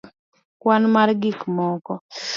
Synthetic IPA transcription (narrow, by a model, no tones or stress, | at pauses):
kwanmarɡikmɔkɔ